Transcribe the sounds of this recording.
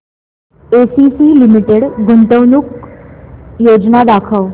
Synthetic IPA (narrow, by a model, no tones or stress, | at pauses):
esisilimiʈeɽɡʱuɳʈ̪əwnuk | jod͡znad̪akʰəʋ